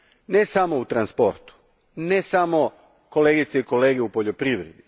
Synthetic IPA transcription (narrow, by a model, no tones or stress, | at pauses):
nesamout̪ɾanspo̞ɾt̪u̥ | nesamo̞ | ko̞leːɡit̪seiko̞le̞ːɡe̞upoʎo̞pɾiʋɾed̪i